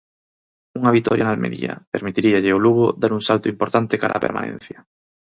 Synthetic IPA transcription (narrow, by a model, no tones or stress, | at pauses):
uŋɐβit̪ɔɾjanalmḛɾḭɐ̰peɾmit̪iɾiaʎɪoluɣʊðaɾuŋsalt̪ʊimpoɾt̪ant̪ekaɾa̰ːpeɾma̰nḛ̃n̟θjɐ